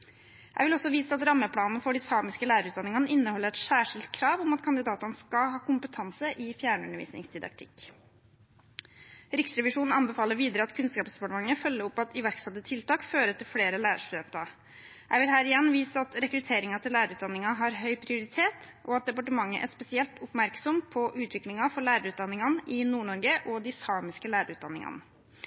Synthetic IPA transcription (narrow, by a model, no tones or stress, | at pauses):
jæ̰ɪʋɪlɔsɔʋiːsəɑt̪ɾɑmːəpʰlɑːnnəfɔɖɪsɑːmɪskəlæːɾəɾʉːt̪d̪ɑnɪŋɑnəɪnːəhɔlːəɾɛt̪sæːʂɪlt̪kʰɾɑːʋɔmɑt̪kʰɑnd̪ɪd̪ɑːt̪ənəskɑhɑːkʊmpət̪ʰɑnsəʔɪfjæːɳəʉnːəɾʋḭːsnɪ̰ŋsd̪ɪd̪ɑ̰kt̪ʰɪk | ɾɪksɾɛʋɪʂuːnn̩ɑnbəfɑːləɾʋiːd̪əɾəɑt̪kʰʉnskɑːpsd̪ɛpɑʈəmɑŋːəfœlːəɾɔpːɑt̪ɪʋæɾksɑt̪ːət̪ʰɪlt̪ɑːkføːɾət̪ɪlfleːɾəlæːɾə̰ʂt̪ʉd̪ɛnt̪ɑ | jæɪʋɪlɦæːɾɪjɛnːʋiːsəɑt̪ɾɛkɾʉt̪ʰeːɾɪŋɑt̪ʰɪlæːɾəɾʉːt̪d̪ɑnːɪŋɑɦɑɾɦœʏpʰɾɪʊɾɪt̪ʰeːt̪ʔɔɑt̪̚d̪ɛpɑʈəmɑŋːə̰ʔæ̰ʂpɛsɪɛlt̪ʊpmæɾksɔmpʰɔʔʉːt̪ʰʋɪklɪŋɑfɔɭæːɾəɾʉːt̪d̪ɑnːɪŋɑnəʔɪnuːɳɔɾɡəʔɔd̪ɪsɑːmɪskəlæːɾəɾʉːt̪̚d̪ɑ̰nːɪŋɑ̰nə